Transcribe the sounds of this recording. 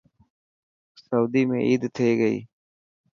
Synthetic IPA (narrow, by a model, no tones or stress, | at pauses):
səuːd̪iːmẽːʔiːd̪t̪ʰeːɡəḭː